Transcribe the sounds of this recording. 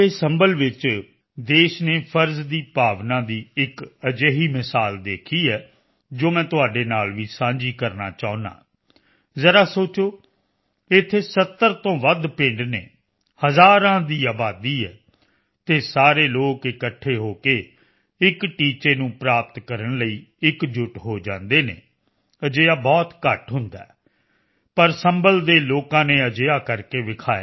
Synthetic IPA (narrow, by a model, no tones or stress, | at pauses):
eːsɛmbəlʋɪt͡ʃ | d̪eːʃneːpʰəɾzd̪iːpaːʋnãːd̪iːɪkəd͡ʒeːɦiːmɪsaːld̪eːkʰiːɛː | d͡ʒoːmɛ̃ːt̪ʊɦaːɖeːnaːlʋiːsãːɲd͡ʒiːkəɾnaːt͡ʃaːʊ̃nã̰ː | zəɾaːsoːt͡ʃoː | ɪt̪ʰːeːsət̪ːəɾt̪õːʋəd̪pẽːɳɖneː | həzaːɾãːd̪iːaːbaːd̪iːɛː | t̪eːsaːɾeːloːkɪkəʈʰːeːɦoːkeː | ɪkʈiːt͡ʃeːnũːpɾaːp̚t̪kəɾənləiːɪkd͡ʒʊʈɦoːd͡ʒãːnd̪eːnḛː | əd͡ʒeːaːbɔːt̪kəʈɦʊnd̪a̰ː | pəɾsəmbəld̪eːloːkãːneːəd͡ʒeːaːkəɾkeːʋɪkʰaːa